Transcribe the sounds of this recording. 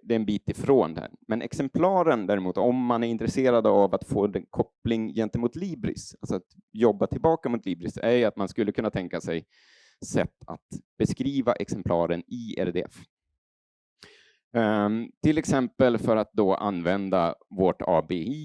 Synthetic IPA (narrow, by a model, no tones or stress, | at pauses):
d̪ɛɛnbiːt̪ɪfɾoːnd̪æ̰ɾmɛnʔɛ̰ksɛmpʰlɑːɾənd̪æːɾɛmuːt̪ɔmːanæɾɪnt̪ɾɛseːɾad̪əavat̪foːd̪ɛkʰɔplɪŋjɛnt̪əmuːt̪liːbɾɪ̰salsɔat̪jɔbːat̪ʰɪlbɑːkamʊːt̪ʰliːbɾɪsɛɾat̪manskɵlːəkʰɵnːat̪ʰɛŋkasɛj | sɛ̰t̪ːa̰t̪b̥ɛskɾiːvaʔɛksɛmpʰlɑ̰ːɾənɪɛ̰ɾd̪ɛ̰f | t̪ʰɪlːɛksɛmpəlfœɾat̪̚d̪ɔʔa̰nvɛnd̪avoːʈɑ̰ːbei